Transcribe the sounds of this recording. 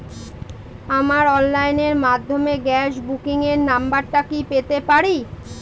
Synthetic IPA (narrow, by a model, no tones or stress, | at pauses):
amaɾɔnlːajneɾmad̪ʱːomeɡɛʃbukiŋeɾnambaɾʈakipet̪epaɾi